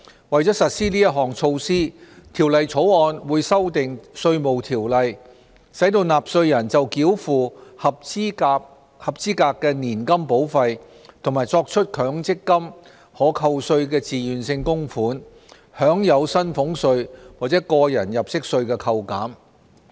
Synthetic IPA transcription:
wɐ˨˩jt͡sɔ˨˥sɐ˨t̚siː˥niː˥jɐ˥t̚ɦɔː˨˩ŋt͡sʰo˧wsiː˥t̪ʰiː˨˩wlɐ˨jt͡sʰo˨˥wɔː˧nwuː˨˧jsɐ˥wt̪ɪ˨ŋsɵ˧ɥmo˨wt̪ʰiː˨˩wlɐ˨j | sɐ˨˥jt̪o˧wnaː˨p̚sɵ˧ɥjɐ˨˩nt͡sɐ˨wkiː˨˥wfuː˨˩hɐ˨p̚ː | hɐ˨˩p̚t͡siː˥kaː˧kːɛː˧niː˨˩nkɐ˥mpo˨˥wfɐ˧j | t̪ʰʊ˨˩ŋmaː˨˩jt͡sɔː˧k̚t͡ʃʰɵ˥t̚kʰœː˨˥ŋt͡sɪ˥kːɐ˥m | hɔː˨˥kʰɐ˧wsɵ˧ɥkɛː˧t͡siː˨jyː˨nsɪ˧ŋkʊ˥ŋfuː˨˥n | hœː˨˥ŋjɐ˨˧wsɐ˥nfʊ˨˥ŋsɵ˧ɥwaː˨k̚t͡sɛː˨˥kɔː˧jɐ˨˩njɐ˨˩p̚sɪ˥k̚sɵ˧ɥkɛː˧kʰɐ˧wkaː˨˥m

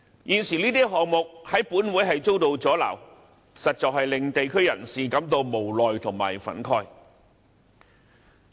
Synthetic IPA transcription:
jiː˨˩nsiː˨˩liː˥t̪iː˥ɦɔː˨ŋmʊ˨k̚hɐ˨˥jpuː˨˥nwuː˨˥jɦɐ˨jt͡so˥wt̪o˨˧wt͡sɔː˨˥la̰ː˨˩w | sɐ˨t̚t͡sɔː˨k̚hɐ˨jlɪ˨ŋt̪e˨jkʰɵ˥ɥjɐ˨˩nsiː˨kɐ˨˥mt̪o˧wmo˨˩wlɔː˨jt̪ʰʊ˨˩ŋma̰ː˨˩jfɐ̰˨˥nkʰɔː˧˥j

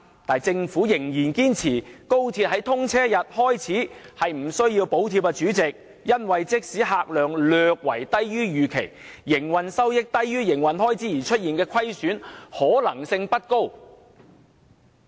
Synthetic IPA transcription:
t̪aː˨jt͡sɪ˧ŋfuː˨˥jɪ˨˩ŋjiː˨˩nkiː˥nt͡sʰiː˨˩ko˥wt̪ʰiː˧t̚ɦɐ˨˥jt̪ʰʊ˥ŋt͡sʰɛː˥jɐ˨t̚hɔː˥jt͡sʰiː˨˥hɐ˨jm̩˨˩sɵ˥ɥjiː˧wpo˨˥wt̪ʰi˧p̚ɛ˧t͡ʃyː˨˥t͡sɪ˨k̚ | jɐ˥nwɐ˨jt͡sɪ˥k̚siː˨˥ɦaː˧k̚lœː˨ŋlœː˨˧k̚wɐ̰˨˩jt̪ɐ˥jɥyː˥jyː˨kʰḛ˨˩jjɪ˨˩ŋwɐ˨nsɐ˥wjɪ˥k̚t̪ɐ˥jːyː˥jɪ˨˩ŋwɐ˨nɦɔː˥jt͡siː˨˥jiː˨˩t͡ʃʰɵ˥t̚jiː˨˩nkɛː˧kʷʰɐ˥jsyː˨˥nhɔː˨˥lɐ˨˩ŋsɪ˧ŋpɐ˥t̚ko˥w

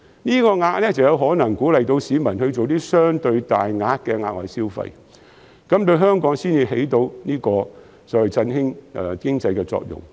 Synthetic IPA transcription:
niː˥kɔː˧ŋaː˧k̚lɛː˥t͡sɐ˨wjɐ˧wɦɔː˨˥nɐ˨˩ŋkuː˨˥lɐ˨jt̪o˧wsiː˨˧mɐ˨˩nhɵ˧t͡so˨wt̪iː˥sœː˥ŋt̪ɵ˧ɥt̪aː˨jŋaː˧t̚kɛː˧ŋaː˧˥k̚wɐ˨jsiː˥wfɐ̰˧j | kɐ˨˥mt̪ɵ˧ɥɦœː˥ŋkɔː˨˥ŋsiː˥njiː˧he˨˥jt̪o˧wniː˥kɔː˧ | sɔ˨˥wɐ˨˩jt͡sɐ˧nhɪ˥ŋʔɛ˨˧kɪ˥ŋt͡sɐ˧jkɛː˧t͡sɔ̰ː˧k̚jʊ̰˨˩ŋ

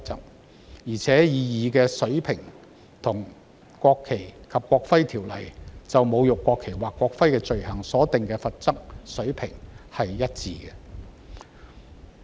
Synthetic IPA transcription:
t͡sɐ˥k̚ | jiː˨˩t͡sʰɛː˨˥jiː˧jiː˨˧kɛː˧sɵ˨˥ɥpʰɪ˨˩ŋ | t̪ʰʊ˨˩ŋ | kʷɔː˧kʰːe˨˩jkʰɐ˨p̚kʷɔː˧k̚fɐ˥jt̪ʰiː˨˩wlɐ̰˨˩jt͡sɐ˨wmo˨˧wjʊ˨kʷːɔː˧kʰe˨˩jwaː˨kʷːɔː˧k̚fɐ˥jkɛː˧t͡ʃɵ˨ɥhɐ˨˩ŋsɔː˨˥t̪ɪ˨ŋkɛː˧fɐ˨t̚t͡sɐ˥k̚sɵ˨˥ɥpʰɪ˨˩ŋhɐ˨jjɐ˥t̚t͡siː˨˧kɛ˧

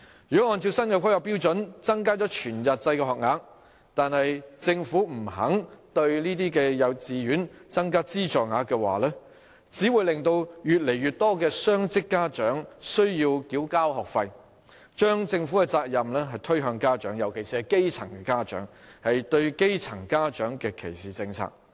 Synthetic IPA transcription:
jy˨kɔ˨˥ŋɔː˧nt͡sʰi˧wsɐ˥nkɐ˨˧wkʰa˥jɐ˨˩wpiː˥wt͡ʃɵ˨˥nt͡sɐ˥ŋkaː˥t͡sɔ˨˥t͡ʃʰyː˨˩njɐ˨t̚t͡sɐ˧jkɛː˧ɦɔː˨k̚ŋaː˨˥k | t̪aː˨nhɐ˨jt͡sɪ˧ŋfuː˨˥m̩˨˩ɦɐ̰˨˥ŋt̪ɵ˧ɥliː˥t̪̬iː˥kɛː˧jɐ˨˧wt͡siː˨˧ɥyː˨˥nt͡sɐ˥ŋkaː˥t͡siː˥t͡ʃɔː˨ŋaː˨˥kɛː˧wa̰ː˨˩lɛː˥ | t͡siː˨˥wuː˨˧jlɪ˨ŋt̪o˧wjyː˨t̚le˨˩jɥyː˨t̚t̪ɔː˥kɛː˧sœː˥ŋt͡sɪ˥kːaː˥t͡ʃœː˨˥ŋsɵ˥ɥjiː˧wkiː˨˥wkaː˥whɔː˨˩k̚fɐ˧j | t͡ʃœː˥ŋt͡sɪ˧ŋfuː˨˥kɛ˧t͡saː˧k̚jɐ˨mlɛː˥ɦɐ˨jt̪ʰɵ˥ɥɦœː˧ŋkaː˥t͡ʃœː˨˥ŋjɐ˨˩wkʰe˨˩jsiː˧hɐ˨jke˥jt͡sʰɐ˨˩ŋkɛː˧kaː˥t͡ʃœ̰ː˨˥ŋhɐ˨jt̪ɵ˧ɥke˥jt͡sʰɐ˨˩ŋkaː˥t͡ʃœː˨˥ŋkɛː˧kʰḛ˨˩jsiː˨˩t͡sɪ˧ŋt͡sʰa̰ː˨˩k̚

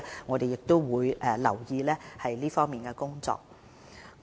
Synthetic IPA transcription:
ŋɔː˨˧t̪e˨jɪ˨k̚t̪o˥wwuː˨˧jʔlɐ̰˨˩wjiː˧lɛː˥hɐ˨jliː˥fɔː˥ŋmiː˨nkɛː˧kʊ˥ŋt͡sɔ̰ː˧k̚ː

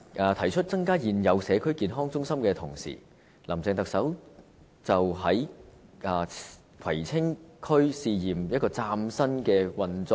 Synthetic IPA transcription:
ʔaː˨˧t̪ʰɐ˨˩jt͡ʃʰɵ˥t̚t͡sɐ˥ŋkaː˥jiː˨njɐ˨˧wsɛː˨˧kʰɵ˥ɥkiː˨˩nɦɔː˥ŋt͡sʊ˥ŋsɐ˥mkɛː˧t̪ʰʊ˨˩ŋsḭː˨˩ | lɐ˨˩mt͡sɛː˧ŋt̪ɐ˨k̚sɐ˨˥w | t͡sɐ˨wɦɐ˨˥jɐː˨˩ | kʰɐ˨˩jt͡sʰɪ˥ŋkʰɵ˥ɥsiː˨˧jiː˨˩mjɐ˥kɔː˧t͡saː˧msɐ˥nkɛː˧wɐ˧nt͡sɔː˧˥

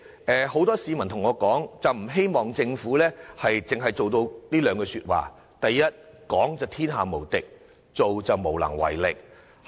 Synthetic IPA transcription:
ʔɛː˨ho˨˥wt̪ɔː˥siː˨˧mɐ˨˩nt̪ʰʊ˨˩ŋɔː˨˧kɔː˨˥ŋt͡sɐ˨wm̩˨˩ɦe˥jmɔː˨ŋt͡sɪ˧ŋfuː˨˥lɛː˥hɐ˨jt͡sɪ˨ŋɦɐ˨jt͡so˨wt̪o˧wliː˥lœː˨˧ŋkɛː˧syː˧t̚wa̰ː˨ | t̪ɐ˨jːɐ˥t̚kɔː˨˥ŋt͡sɐ˨˩wt̪ʰiː˥nɦaː˨˩mo˨˩wt̪ɪ˨k̚ | t͡so˨wt͡sɐ˨wmo˨˩wlɐ̰˨˩ŋwɐ̰˨˩jlɪ˨k̚

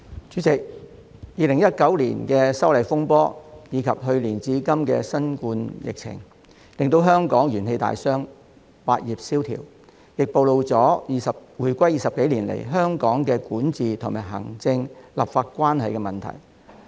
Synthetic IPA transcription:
t͡ʃyː˨˥t͡sɪ˨k̚ | jiː˧lɪ˨˩ŋjɐ˥t̚kɐ˨˥wlḭː˨˩nkɛː˧sɐ˥wlɐ˨jfʊ˥ŋpɔː˥jiː˨˧kʰɐ˨p̚ɦɵ˧ɥliː˨˩nt͡siː˨˥kɐ˥mkɛ̰ː˧sɐ˥nkuː˧njɪ̰˨k̚t͡sʰɪ̰˨˩ŋ | lɪ˨ŋt̪o˧wɦœː˥ŋkɔː˨˥ŋjyː˨˩nhe˧jt̪a̰ː˨jsœː˥ŋ | wa̰ː˧t̚jiː˨˩p̚siː˥wt̪ʰḭː˨˩w | jɪ˨k̚po˧wlo˧wt͡sɔː˨˥iː˨˧sɐ˨wuː˨˩jkʷɐ˥jiː˨˧sɐ˨p̚ke˨˥jliː˨˩nlḛ˨˩jɦœː˥ŋkɔː˨˥ŋkɛː˧kuː˨˥nt͡siː˨t̪ʰʊ˨ŋmaː˨˩ɦɐ̰˨˩ŋt͡sɪ˧ŋlɐ˨pfaː˧t̚kʷaː˥nhɐ˨jkɛ˧mɐ˨nt̪ʰɐ̰˨˩j

